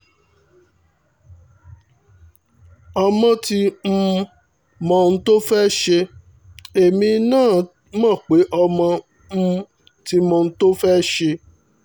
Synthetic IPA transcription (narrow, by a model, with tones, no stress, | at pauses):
ɔ˧mɔ̃˧ti˧m̩˦˧ | mɔ̃˧˨˧ñ̩˦to˦fɛ˦ʃe˧ | e˨mĩ˧nãː˦˨ | mã˦˨k͡pe˨˦ʔɔ˧mɔ̃˧ | m̩˧˦ | ti˧mɔ̃˧ñ̩˦to˦fɛ˦ʃe˧